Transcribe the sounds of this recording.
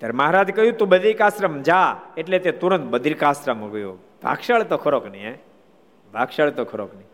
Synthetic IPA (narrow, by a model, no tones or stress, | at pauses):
t̪jaɾeməɦaɾad͡ʒkəɦjũt̪ũbəd̪ʱiɾkasɾəmd͡ʒaeʈlet̪et̪uɾənt̪̚bəd̪ʱiɾkasɾəməɡəjo̰ | bʱa̰ɡʃaɭt̪okʰəɾoknie | bʱaɡʃaɭt̪okʰəɾokni